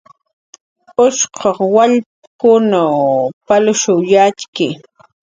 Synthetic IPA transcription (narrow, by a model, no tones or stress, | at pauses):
ʊʃqʰɑχwaʎ | kʊnawpalʊʃʊjat͡ʃkɪ